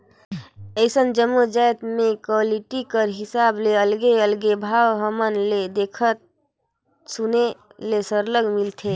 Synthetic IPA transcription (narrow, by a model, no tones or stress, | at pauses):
əɪsənd͡ʒəmːud͡ʒajt̪mẽkoliʈikəɾɦɪsableəlɡeəlɡebʱaːwɦəmənled̪ekʰət̪̚ | sunelesəɾləɡmilt̪ʰe